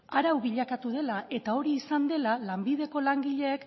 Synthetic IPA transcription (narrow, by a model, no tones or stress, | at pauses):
aɾawβiʎakat̪uð̞e̞lae̞t̪ao̞ɾiːsand̪e̞lalambiðe̞ko̞laŋɡiʎe̞ːk